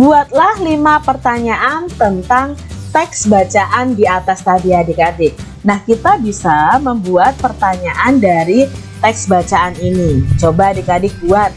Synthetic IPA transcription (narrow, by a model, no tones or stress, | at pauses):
buat̪̚lahlimapərt̪aɲaʔant̪ənt̪aŋt̪ɛksbat͡ʃaʔandiat̪ast̪adiadikadɪ | nahkit̪abisaməmbuat̪̚pərt̪aɲaʔandaɾi | t̪ɛksbat͡ʃaaninit͡ʃobaadikadɪkuat̪̚